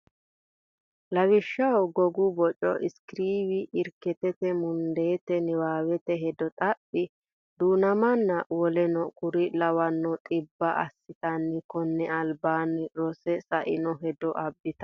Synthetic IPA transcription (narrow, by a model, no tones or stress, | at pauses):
lɐwɪʃːɐwɡɔɡʊbɔt͡ʃʼɔ̰ʔɪskɾiːwɪʔɪɾkɛt̪ɛt̪ɛmʊnd̪eːt̪ɛnɪwaːwɛt̪ɛɦɛd̪ɔt̪ʼɐpʼːɪ | d̪uːnɐmɐnːɐwɔlɛnɔkʊɾɪlɐwɐnːɔt̪ʼɪbːɐʔɐ̰sːɪt̪ɐnːɪkɔnːɛɐlbaːnɪɾɔsɛsɐʔɪnɔɦɛd̪ɔʔɐbːɪt̪ɐ̥